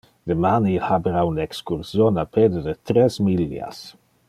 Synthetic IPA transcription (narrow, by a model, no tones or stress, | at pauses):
d̪emaniilhabeɾaunɛkskuɾsjonaped̪ed̪et̪ɾesmilːja̰s